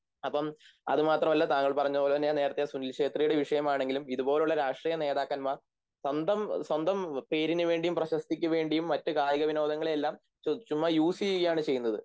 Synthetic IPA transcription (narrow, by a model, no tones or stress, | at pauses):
ɐpːɐmɐ̰ðɨmaːt̪rɐmɐlːɐt̪aːŋːɐɭpɐrɐɲːuðoːlt̪ːnːene̞ːɾɐt̪ːejesunilkʂe̞ːt̪rijuɽe̞ʋiʂɐjɐmaːɳe̞ŋɡilumiðubo̞ːleuɭːɐɾaːʂʈriːjɐne̞ːðaːkːɐnma | swɐnd̪ɐmswɐnd̪ɐmpe̞ːɾinɨʋe̞ːɳɖijumprɐɕɐst̪ikʲːɐʋe̞ːɳɖijumːɐtːɨkaːjɐɣɐʋino̞ːd̪ɐŋːɐɭelːaːm | t͡ɕot͡ɕːumːɐjuːsiɣɐjaːɳɨt͡ɕe̞jːunːɐðɨ̰